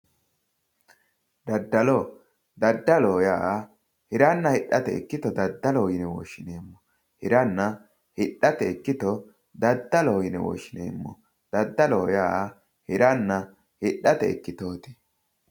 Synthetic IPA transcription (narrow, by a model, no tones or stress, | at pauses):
d̪ɐd̪ːɐlɔ | d̪ɐd̪ːɐloːjaːʔ | hɪɾɐnːɐhɪɗːɐt̪ɛ̰ɛ̰kːɪt̪ɔd̪ɐd̪ːɐloːjɪnɛwo̰ːʃːɪneːmːɔ̥ | hɪɾɐnːɐ | hɪɗːɐt̪ɛɛkːɪt̪ɔ | d̪ɐd̪ːɐloːjɪnɛwo̰ːʃːɪnḛːmːɔ̰ | d̪̥ɐd̪ːɐloːjaː | hɪɾɐnːɐ | hɪɗːɐt̪ɛ̰ɛkːɪt̪o̞ːt̪i̥